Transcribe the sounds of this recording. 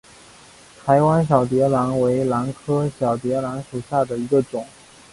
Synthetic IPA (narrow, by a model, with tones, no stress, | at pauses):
t̪ʰa˧˥ɪwa˥nɕ̬jɑ˨˩ʊt̪̬jɛ˧˥la˧˥nwe˧˥ɪla˧˥nkʰɤ˥ɕjɑ˨˩ʊt̪jɛ˧˥la˧˥nʂu˨˩ɕja˥˩d̪ə˩i˧˥ɡə˧ʈ͡ʂʊ˨˩˦ŋ